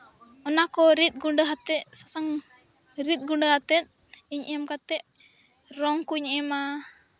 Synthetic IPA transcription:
ɔnakɔɾit̪̚ˀɡuɳɖəɦat̪ɛʔsasaŋ | ɾit̪̚ˀɡuɳɖəhat̪ɛt̪̚ | iɲʔəmkat̪ɛʔ | ɾɔŋkuɲɛma

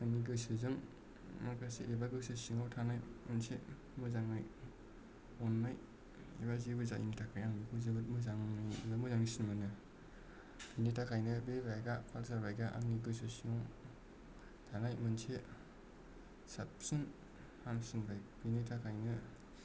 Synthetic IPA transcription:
aŋniɡɯsɯzɯŋ | makaseʔebaɡɯsɯsiŋawtʰanajmɯnsʰe | mɯzaŋaj | ɔnːaj | ebazibɯzaʔḭmtʰakʰajaŋmikʰuzɯbɯt̚mɯzaŋnilamɯzaŋnisinmanɯ | bʰinitʰakʰajnɯbebajɡapʰalsabajɡaʔa̰ŋniɡɯs̬ɯsiŋaw | tʰanajmɯnsʰe | sap̚sɯn | hamsinbajpinitʰakʰajnɯ

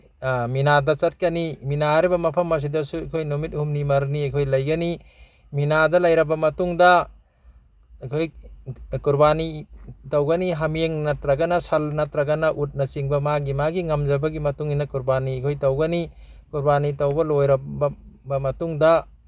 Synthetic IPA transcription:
minadɐt͡ʃɐt̚kɐniminaɾibɐmɐpʰɐmɐs̬idɐsuɐkʰojnumit̚humnimɐɾniajkʰojlɐjɡɐni | minadɐlɐjɾɐbɐmɐtuŋdɐ | jkʰojkuɾbanitawɡɐniɦɐmeŋnɐtɾɐɡɐnɐsɐlnɐtɾɐɡɐnɐʔut̚nɐt͡ʃiŋbɐmaɡimaɡiŋɐmd͡ʒɐbɐɡimɐtuŋinɐkuɾbanikʰojtɐwɡɐnikuɾbanitɐwbɐlojɾɐbbɐmɐtuŋdɐ

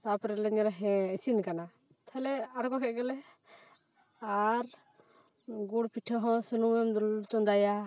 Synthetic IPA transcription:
t̪apɾɛlɛɲɛɾaɦɛ̃isinkana | t̪ʰalɛaɾkɔkɛʔɡɛlɛ | aɾ | ɡuɽpiʈʰɔɦɔ̃sənuwɛmd̪t̪ɔnd̪aja

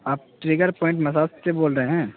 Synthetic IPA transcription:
aːp̚ʈɾeːɡəɾpɔːɪ̃ɳʈmɐsaːsseboːlɾəɦeɦɛ̃ː

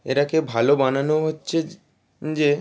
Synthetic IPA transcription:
eɾakebʱalobananoɦotːɕʰe | d͡ʑe

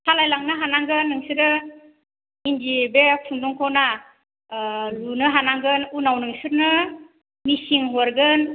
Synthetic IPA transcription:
sʰalajlaŋnɯɦanaŋɡɯnːɯŋsɯɾɯ | indibepʰuŋduŋkʰɔna | lunɯɦanaŋɡɯnunawnɯŋsɯɾnɯ | misiŋɦɔɾɡɯn

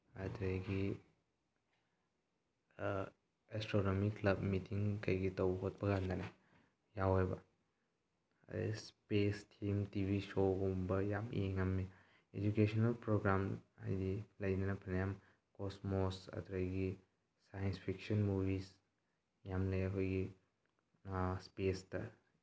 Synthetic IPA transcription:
ɐtʰɾajɡi | estɾonomiklɐbmitʰiŋkɐjɡitɐwɦot̚bɐɡandana | jawebɐ̰ | spestʰimtibʱisoɡombɐjamḭeŋamːi | ed͡ʒukesʰonɐlpɾoɡɾamajdilɐjnɐnɐpʰɐnɐjam | kosmosɐ̰t̪ʰɾɐjɡi | sajɐnspʰiksɐnmubis | jamlɐjɐkʰojɡi | spestɐ

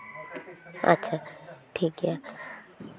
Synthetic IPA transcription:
ɐ̰tːt͡ʃʰatʰiɡja

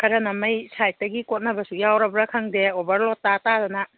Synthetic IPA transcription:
kʰɐɾɐnɐmɐjsaj̚tɐɡikot̚nɐbɐsujawɾɐbɾɐkʰɐŋdeobɐɾlɔtːatadɐnɐ

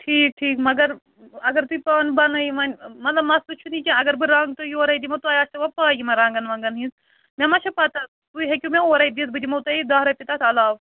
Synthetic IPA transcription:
ʈʰiːk̚ʈʰiːkmɐɡɐɾ | ɐɡɐɾt̪upaːnbɐnɐjimɐnʲmɐt̪lɐbmɐst̪ut͡ʃʰunĩkɐɐɡɐɾbɨɾãːŋɡ̚t̪ojioːɾɐid̪imɐt̪uɐːjaːst̪ɐʋɐpaːjimɐɾãːŋɡɐnʋɐ̃ːŋɡɐnɦĩns | mẽmɐʃʰɐpɐt̪a | t̪uɦekʲumʲẽoːɾɐid̪isbɨd̪ʲimɐut̪ɐid̪aːɦɾɐpit̪aːt̪ʰɐlaːʋ

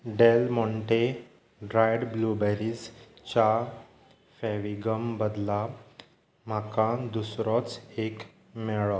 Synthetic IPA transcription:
ɖelmɔɳʈe | ɖɾajɽblubɛɾist͡ɕa | fɛʋiɡəmbəd̪la | m̤akãd̪usɾɔt͡sek | mɛɭɔ

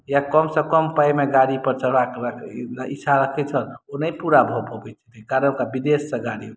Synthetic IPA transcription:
jakəmsə̃kəmpajmeɡaɽipəɾt͡ʃəbakakit͡ʃʰaɾəkʰɛt͡ʃʰəlonəipuɾabʱobʱobɛt͡ʃʰə̥t̪ekaɾənkabid̪esːə̃ɡaɽi

